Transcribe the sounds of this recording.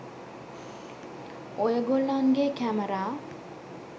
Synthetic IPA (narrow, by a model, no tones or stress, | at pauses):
ojəɡolnanɡekæməɾaː